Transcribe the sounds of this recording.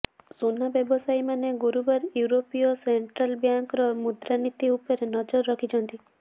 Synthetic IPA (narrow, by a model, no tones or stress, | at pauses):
sunabjɔbɔsajmaneɡuɾubaɾjuɾopiɔseɳʈɾalbjaŋkɾɔmud̪ɾanit̪iupɔɾenɔd͡ʒɔɾːɔkʰit͡ʃʰɔnt̪i